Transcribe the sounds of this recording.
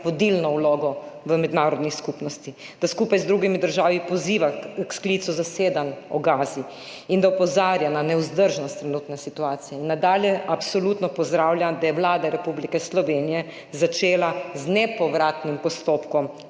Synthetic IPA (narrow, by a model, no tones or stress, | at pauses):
ʋɔd̪ilnɔwloːɡɔʋəmɛd̪naːɾɔd̪niskupnɔst̪i | d̪̥askuːpajzd̪ɾuɡimid̪əɾʒaːʋipɔziːʋaksklit̪suzaseːd̪anɔɡaːzi | ind̪aɔpɔzaːɾjananɛuzd̪əɾʒnɔst̪ːɾɛnuːt̪nɛsit̪uaːt̪sijɛinːad̪aːljɛʔapsɔlut̪nɔpɔzd̪ɾawljamd̪ajɛʋwlaːd̪aɾɛpublikɛslɔʋeːnijɛ | zat͡ʃeːlaznɛpɔʋɾaːt̪nimpɔst̪opkɔm